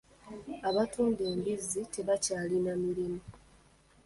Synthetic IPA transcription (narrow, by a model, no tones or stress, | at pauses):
aβatuːnbe̞ːmbizitʰe̞βacaːlinamiɾimu